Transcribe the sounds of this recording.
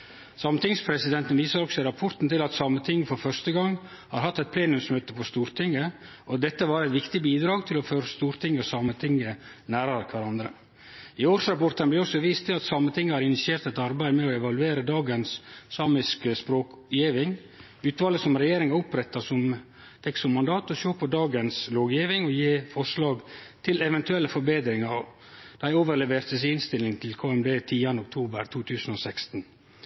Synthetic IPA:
sɑmət̪ɪŋspʰɾɛsɪd̪ɛnt̪nʋiːsəɾɔksɔɾɑpʰɔɾt̪n̩t̪ɪlɑt̪sɑmət̪ʰɪŋːəfɔɾfœʂt̪əɡɑŋː | hɑɾhɑt̪ːɛt̪̚pʰleːnʉmsmøːt̪əpʰɔst̪uːɾt̪ʰɪŋːə | ʔɔd̪ɛt̪ːəʋɑːɾæɪt̪ʋɪkt̪ɪbiːd̪ɾɑːɡt̪ʰɪlɔføːɾəst̪uːɾt̪ʰɪŋːəɔsɑmət̪ʰɪŋːə | næːɾɑɾkʰʋæɾɑnd̪ɾə̰ | ɪoːɾsɾɑpɔɾt̪ənblɪɾɔsɔʋiːst̪ʰːɪlɑt̪sɑmːət̪ʰɪŋːəhɑɾɪnɪsɪeːɾt̪ɛt̪ɑɾbæɪmɛɔɛʋɑlʉeːɾəd̪ɑːɡənsːɑːmɪskəspɾoːk | jiːʋɪŋ | ʉːt̪ʋɑːləsɔmɾɛjeːɾɪŋɑɾʊpɾɛt̪ːɑsɔm | t̪ʰɛksɔmːɑnd̪ɑːt̪ɔʃoːpəd̪ɑːɡənsloːɡjiːʋɪŋɔjeːfɔʂlɑːɡt̪ʰɪlɛʋɛnt̪ʉɛlːəfɔɾbeːd̪ɾɪŋɑɾ | d̪̥æɪoːʋəɾɭɛʋeːɾt̪əs̬ɪnst̪ɪlɪŋt̪ʰɪlkʰoːɛmb̪eːt̪ʰiːɑnəɔk̚t̪ʰuːbəɾt̪ʰuːt̪ʰʉːsən̩ɔsɛkst̪n

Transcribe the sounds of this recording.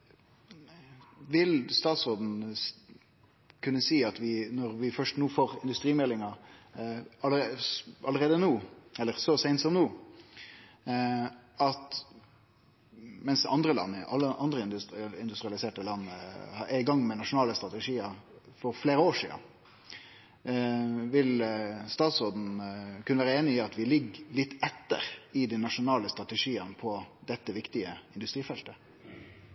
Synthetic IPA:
ʋɪlst̪ɑːt̪sod̪n̩ | kʰʉnːəsiːɑt̪ʋɪnɔɾʋɪfœʂtnuːfoːɾɪ̰nd̪ʉst̪ɾiːmɛlːɪŋɑ | ɑləɑlːəɾeːd̪ənuːɛlːəɾsɔsɛɪnt̪sɔmnuː | ɑt̪ | mɛnsɑ̰nd̪ɾəlɑ̰nːɪʔɑ̰lːəʔɑnd̪ɾəɪnd̪ɪnd̪ʉst̪ɾɪɑlɪseːʈəlɑnːəhɑʔɛɪɡɑŋːmɛnɑʂʊnɑːləst̪ɾɑt̪ɛʂiːəɾfɔɾfleːɾəoːʂḭːə̰n | ʋɪlst̪ɑːt̪sʁoːd̪n̩kʰʉnəʋæːʁəeːnɪɪɑt̪ʋɪlɪɡlɪt̪ːɛt̪ːə̰ɾɪd̪ɛnɑʂʊnɑːləst̪ɾɑt̪ɛʂiːənpʰɔd̪ɛt̪ːəʋɪkt̪ɪəɪnd̪ʉst̪ɾiːfɛlt̪ə

